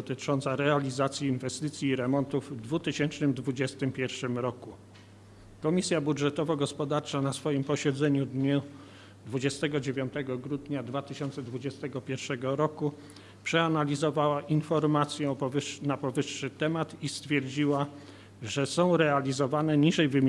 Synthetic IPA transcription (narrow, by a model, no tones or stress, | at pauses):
t̪ɘt͡ʂɔnt̪saɾɛalʲizat̪sʲjiːnvɛst̪ɘt̪sʲjiːɾɛmɔnt̪uvːd̪vut̪ɘɕɛnt͡ʂnɘmd̪vud͡ʑɛst̪ɘmpʲjɛɾfʂɘmɾɔku | kɔmʲisʲjabudʐɛt̪ɔvɔɡɔspɔd̪aɾt͡ʂanasfɔjimpɔɕɛd̪zɛɲud̪ɲu | d̪vud͡ʑɛst̪ɛɡɔd͡ʑevʲjɔnt̪ɛɡɔɡɾud̪ɲad̪vat̪ɘɕɔnt̪sɛd̪vud͡ʑɛst̪ɛɡɔpʲjɛɾfʂɛɡɔɾɔku | pʂɛanalʲizɔvawaʔinfɔɾmat̪sʲjɛɔpɔɘnapɔvɘʂːɘt̪ɛmat̪ist̪fʲjɛɾd͡ʑiwa | ʐɛsɔ̃w̃ɾɛalʲizɔvanɛɲiʐɛjvɘmʲ